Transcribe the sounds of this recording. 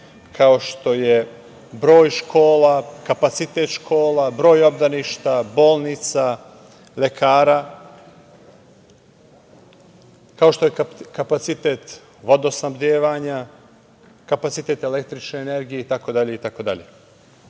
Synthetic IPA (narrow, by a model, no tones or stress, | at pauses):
kʰao̞ʃt̪o̞je | bɾo̞ːjʃkʰo̞ːlakapat̪sit̪e̞t̪ʃkʰo̞ːlabɾo̞ːjo̞bd̪aniʃt̪abo̞ːlˠnit̪sa | le̞kʰaːɾa | kao̞ʃt̪o̞jekapat̪sit̪et̪ | ʋo̞d̪osnabd̪eːʋaɲa | kapat̪sit̪e̞t̪e̞lekt̪ɾit͡ʃneene̞ɾɡijeit̪ako̞d̪aʎe̞it̪ako̞d̪a̰ʎe